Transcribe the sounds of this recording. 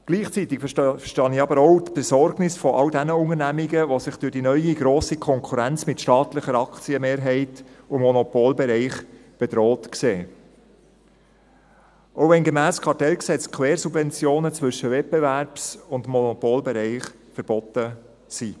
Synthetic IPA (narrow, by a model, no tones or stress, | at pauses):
ɡ̥liːχt͡sit̪ɪkfʃtɑniɑbəɾɔʊt̪b̥ɛzɔrɡnɪsfɔʔɑldænəʊŋəɾnæmiɡəʋosɪχd̥yɾdinœʏiɡɾoːsikʰɔŋkʰuɾænt͡smɪtʃtɑːt̪ləχəɾɑkt͡siəmeːɾɦɛɪtʊmɔnɔpolbɛɾɛɪχb̥ɛd̥ɾoːtkseː | ʔoʊʋɛnɡemæːskʰɑɾtɛlksɛt͡skʰweːɾsubvɛnt͡sjoːnət͡sʋʏʃəvɛt̚bevæɾpsʊndmɔnɔpolbɛɾɛɪχ | fəɾb̥ɔt̪ə | si